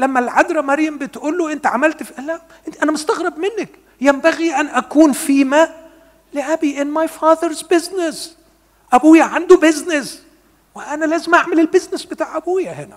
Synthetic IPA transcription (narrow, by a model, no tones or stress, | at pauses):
læmːælʕad̪ɾɑmɑɾˤjambɪt̪ʔuːlːoʔɪnt̪ʕamælt̪fiʔlæʔ | ʔɪʔænæmʊst̪aɣɾɪbmɪnːɪk | jæmbæɣiʔænʔækuːnfiːmæ | lɪʔæbiʔɪnmajfɑːðəɾzbɪznɪs | ʔæbuːjaʕand̪ubɪznɪs | wɪʔænælæːzɪmʔaʕmɪlɪlbɪznɪsbɪt̪aːʕʔæbuːjahɪnæ